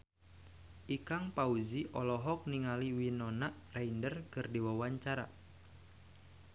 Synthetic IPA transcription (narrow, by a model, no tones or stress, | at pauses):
ʔikaŋpauziʔɔlɔɦɔk̚niŋaliwinɔnaʔraindərkɨrdiwawaɲt͡ʃaɾa̰